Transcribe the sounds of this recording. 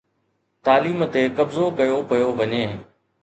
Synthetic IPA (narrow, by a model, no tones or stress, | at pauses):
t̪aːliːmt̪ekɐbzokɐjopɐjoʋɐɲeː